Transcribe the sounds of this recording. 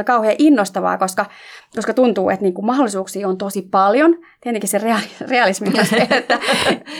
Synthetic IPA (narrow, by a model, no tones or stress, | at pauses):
kɑuheɑʔinːost̪ɑʋɑ̰ːkoskɑkoskɑt̪unt̪uːḛt̪niːŋkummɑholisuːksiːont̪osipɑljont̪iet̪ːeŋkisereɑlireɑlismimɑseet̪ːæ